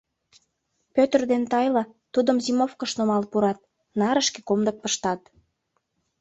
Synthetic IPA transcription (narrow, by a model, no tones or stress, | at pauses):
pøt̪ərd̪ent̪ɑjlɑt̪ud̪əmzimofkəʃnomɑlpuɾɑt̪̚ | nɑɾəʃke̥komd̪ək̚pəʃt̪ɑt̪